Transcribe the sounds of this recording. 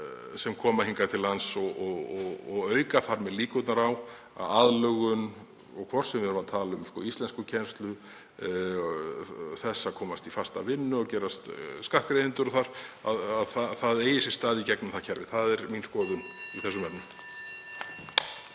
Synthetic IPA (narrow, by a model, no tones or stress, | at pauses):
sɛmkʰɔːmahiŋkat̪ʰɪlhansɔɣɔɣɔɣɔɣœːɥkaθaɾmɛðliːkʏt̪naɾaw | a̰ðaðlœɣʏn | ɔ̰ɣkʰvɔr̥sɛmvɪhɾʏmat̪ʰaːlaʏmskɔːist̪lɛnskʏcʰɛnst̪lʏ | θɛsːakʰɔːmast̪ifast̪a̰vɪnːʏɔwcɛːɾast̪skaht̪kɾejðɪnt̪ʏɾɔθaɾ̥a̰ðaðθaθaðeːjɪsɪst̪aːðicɛknʏmθacʰɛɾvɪ̰θaðɛɾminskɔːðʏniθɛsːʏmɛpnʏm